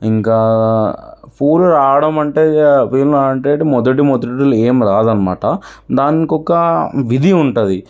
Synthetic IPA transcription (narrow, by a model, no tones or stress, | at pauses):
iŋkaː | puːɾuɾaːɐɽɐmɐɳʈeːpiːlnuaːɐɳʈeːʈimɔd̪ɐʈ̬imɔd̪ɐʈileːmɾaːd̪ɐnɐma̰ːʈɐ | d̪aːnikɔkːɐʋid̪ʱiuɳʈud̪i